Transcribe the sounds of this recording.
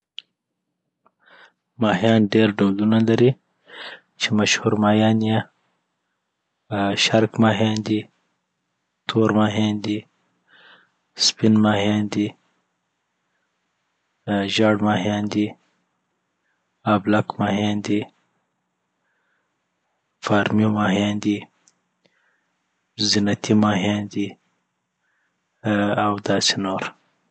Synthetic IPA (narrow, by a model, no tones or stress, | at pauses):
mɑɦjɑːnɖeɾɖowlunalaɾi | t͡ʃemaʃhuɾmɑːjɑːnje | ʃaɾkmɑɦjɑnd̪i | t̪ʰoɾmɑɦjɑːnd̪i | spinmɑhjɑːnd̪i | ʒɑːɽmɑɦjɑnd̪i | ablakmɑːɦɑnd̪i | fɑːɾmomɑːɦɑnd̪i | zinat̪ʰimɑɦɑnd̪i | awd̪ɑːsenoɾ